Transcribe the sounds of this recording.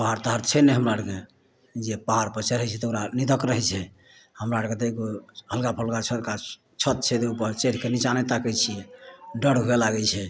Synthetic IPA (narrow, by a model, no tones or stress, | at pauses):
paɦaɾt̪əɦaɾt͡ʃʰɛnɛɦəmɾaəɽke | d͡ʒepaɦaɾpəɾt͡ʃʰɛɾəɦɛt͡ʃʰɛt̪oɾanid̪əkɾəɦɛt͡ʃʰɛ | həmɾaəɽket̪eɡoɦəlkapʰəlkat͡ʃʰət̪ka | t͡ʃʰət̪̚t͡ʃʰɛd̪eupəɾt͡ʃeʈkenit͡ʃanet̪akɛt͡ʃʰijɛɖəɽɦoelaɡɛt͡ʃʰɛ